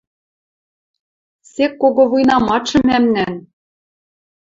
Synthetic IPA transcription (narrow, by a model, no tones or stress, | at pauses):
sekːoɣoβujnɑmɑt͡ɕɤ̆mæmnæn